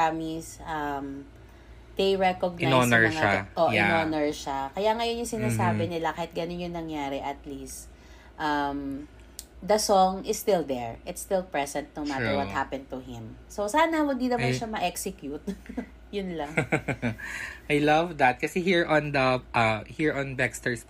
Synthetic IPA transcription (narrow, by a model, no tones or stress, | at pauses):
amisʔɐm | d̪̥ejɹɛkoɡ̚nanonɛɹʃŋaʔoʔɪnonɛɹʃakɐjaŋɐjonjʊŋsɪnaːsaːbɛnɪlakahɪt̪̚ɡɐnonjʊŋnɐŋjaːɾɛʔɐt̪list̪ | ʔɐm | d̪ɐsɔŋʔɪst̪ɪld̪ɛɹʔɪt̪st̪ɪlpɹɛsɛ̃nt̪̚nowmat̪əɹwɔ̰hapɛ̃nd̪t̪uɦɪ̃msosaːnɐwɐɡ̚d̪id̪ɐat̪ʃɐmɐʔɛksɪkjut̪̚ | jʊnlɐŋ | ʔajlɐvd̪ɐt̪̚kɐsɛhiɹʔɔ̃nd̪ɐʔɐhiɹɔ̃nbɛkst̪ɛɹs